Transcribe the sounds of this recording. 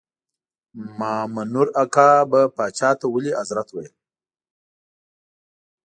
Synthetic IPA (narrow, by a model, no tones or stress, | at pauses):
mɑːmanuɾakɑbapɑt͡ʃɑːt̪awəliʔazɾat̪wajil